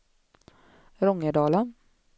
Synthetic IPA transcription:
ɾɔŋːəɖɑːlən

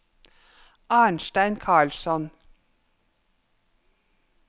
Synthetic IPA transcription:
ʔɑːɳʃʈæɪnkʰɑːɭsɔn

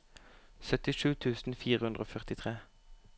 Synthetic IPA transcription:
sœt̪ɪʃʉːt̪ʰʉːsn̩fiːʁəhʉnʁoːfœʁt̪ɪt̪ʰʁeː

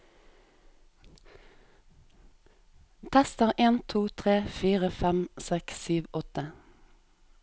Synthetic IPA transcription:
t̪ʰæst̪əʁeːnt̪ʰuːt̪ʰʁeːfiːʁəfæmsɛksyːʋɔt̪ə

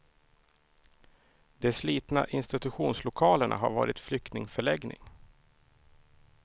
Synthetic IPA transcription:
d̪̥ɛsliːt̪na̰ʔɪnst̪ɪt̪ɵɧuːnslʊkʰɑːləɳʔa̰ɦa̰ɾvɑ̰ːɾɪt̪flʏk̚t̪nɪŋfœɭɛɡnɪ̰ŋ

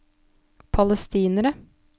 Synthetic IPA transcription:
pʰɑləst̪iːnəɾə

